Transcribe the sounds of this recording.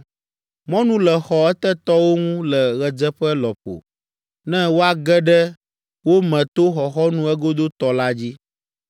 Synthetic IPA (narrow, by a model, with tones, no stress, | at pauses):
mɔ̃˦nũ˦lɛ˨xɔ˨ɛ˦t̪ɛ˦t̪ɔ˦wo˦ŋũ˦lɛ˨ɣɛ˨d͡zɛ˦ɸɛ˦lɔ˨ɸo̰˨ | nɛ̃˦wo˦a˦ɡɛ˦ɖɛ˦ | wo˦mɛ̃˨t̪o˦xɔ˨xɔ˦nũ˨ɛ˦ɡo˦d̪o˦t̪ɔ˨la˦d͡ʑi˦